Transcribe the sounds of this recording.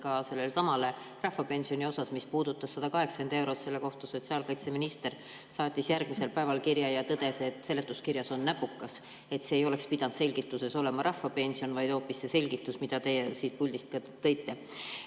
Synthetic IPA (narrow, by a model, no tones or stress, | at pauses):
kɑse̞lːelsɑmɑle̞ | rɑhːɑpe̞nsio̞nʲio̞sɑsmispuːd̪ut̪ːˑɑsːɑd̪̥ɑkɑɦe̞ksend̪e̞wɾo̞t̪se̞lːe̞ko̞ht̪ɑso̞t̪siɑːlkɑjt̪se̞minist̪e̞r | sɑːt̪ʲːˑisjærɡ̥̚mise̞lpæe̞vɑlkiɾjɑjɑt̪ɤd̪̥e̞se̞t̪ːˑse̞lːet̪ːˑuskiɾjɑso̞nːæpːukːˑɑs | e̞t̪se̞ːjo̞le̞kspid̪̥ɑnd̪se̞lʲɡ̥it̪ːˑuse̞so̞le̞mɑɾʔɑhːɑpe̞nʲsio̞nvɑjd̪ho̞ːpːisːe̞se̞lʲɡ̥it̪ːˑusmid̪̥ɑt̪e̞jesiːt̪̚pulʲd̪ist̪kɑt̪ːɤ̞jt̪ːe̞